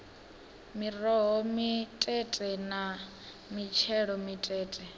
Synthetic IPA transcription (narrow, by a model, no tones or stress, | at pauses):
mirɔɦɔmitʼɛtʼɛna | mit͡ʃʰɛɺɔmitʼɛːtʼɛ